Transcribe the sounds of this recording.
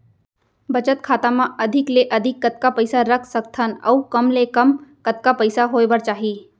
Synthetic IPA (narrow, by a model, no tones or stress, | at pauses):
bɐt͡ʃət̪kʰaːt̪amãɐd̪ʱɪkleʔɐd̪ʱɪkːət̪̚kapəɪsaɾəkʰsək̚t̪ʰənɐ̰ukəmlekɐmkət̪̚kapəɪsaɦoːebəɾt͡ʃaːɦiː